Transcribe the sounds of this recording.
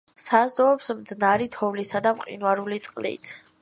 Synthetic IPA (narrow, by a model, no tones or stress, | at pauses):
sazd̪ɔɔpsmd̪znaɾit̪ʰɔvlisad̪amqʼḭnwaɾulit̪sʼqʼlḭt̪ʰ